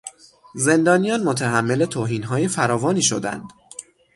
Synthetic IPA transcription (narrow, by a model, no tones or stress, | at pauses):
ze̞nd̪ɒːnijɒːnmot̪ʰæɦæmːe̞le̞t̪ʰoːɦiːnɦɒːjefæɾɒːvɒːniːʃo̞̰d̪æ̰nd̪̥